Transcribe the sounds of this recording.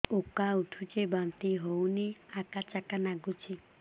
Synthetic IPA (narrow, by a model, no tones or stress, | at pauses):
okauʈʰut͡ʃebant̪iɦowniakat͡ʃakanaɡut͡ʃʰi